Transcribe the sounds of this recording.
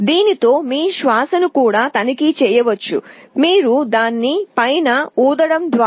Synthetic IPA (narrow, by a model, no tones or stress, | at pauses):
d̪iːnit̪o̞ːmiːʃʋaːsɐnukuːɽaːt̪ɐnikit͡ʃɛːjɐʋɐt͡ʃːṵmiːɾud̪aːnːipɐjnɐuːd̪ɐɽɐmd̪ʋaː